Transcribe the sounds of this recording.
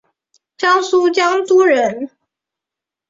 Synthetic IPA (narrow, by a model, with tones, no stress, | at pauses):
t͡ɕjɑ˥ŋsu˥t͡ɕjɑ˥ŋt̪u˥ɻə˧˥n